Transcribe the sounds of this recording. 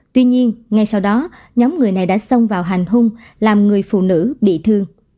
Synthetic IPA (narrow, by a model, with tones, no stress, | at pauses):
t̪wi˧ɲi˧ənŋa˧˩jsa˧wɗɔ˨˦ | ɲɔ˨˦mŋɨ˨˩əjna˨˩jɗa̰ː˧˥sə˧wŋ͡mvaː˨˩wɦa˨˩jŋ̟ɦʊ˧ŋ͡m | laː˨˩mŋɨ˨˩əjfṵ˧˨nɨ̰˧˥ɓḭ˧˨t̪ʰɨ˧əŋ